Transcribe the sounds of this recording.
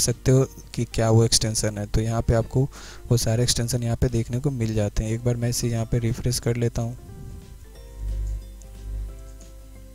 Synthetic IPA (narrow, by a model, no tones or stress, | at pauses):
sɐk̚t̪eɦokikjaːʋoɛksʈɛ̃ːnʃənɦɛt̪ojɐɦãpeaːp̚ko | ʋosaːɾeɛksʈɛ̃ːnʃənjɐɦãped̪eːkʰnekomɪld͡ʒaːt̪eɦɛ̃eːk̚baːɾmɛ̃ːɪsejɐɦãpeɾɪfɾɛskɐɾleːt̪aɦũː